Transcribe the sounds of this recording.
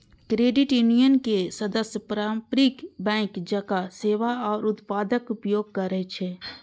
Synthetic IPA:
kɾeːɖɪʈjʊnijənkesɐd̪əsjəpɾapɾikbɛ̃ːŋkd͡ʒɐkaseːʋaɔːɾʊt̪paːd̪əkʊpjoːɡ̚kɐɾəɦet͡ʃʰeː

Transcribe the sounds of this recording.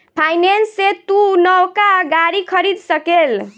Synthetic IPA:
pʰajnensːet̪unəwkaɡaɾikʰəɾid̪səkel

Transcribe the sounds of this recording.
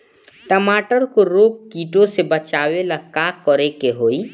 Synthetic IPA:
ʈəmaːʈəɾkoɾoːk̚kiːʈõsebət͡ʃaːwelakaːkɔɾekeɦoːi

